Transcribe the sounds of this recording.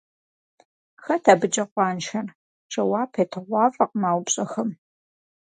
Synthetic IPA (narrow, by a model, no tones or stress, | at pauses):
xɐtʰaːbɨd͡ʒɐqʷɑːnʃɐr | ʈ͡ʂʰʼɐwɑːpʰeːtʰɨʁʷɑːfʼɐqmaːwpɕʼɐxɐm